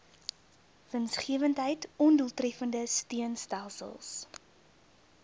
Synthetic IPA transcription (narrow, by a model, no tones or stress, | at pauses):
vənsχiəvəntɦəjtɔnduəlˠtrɛfəndəstiənstælˠsə̰lˠs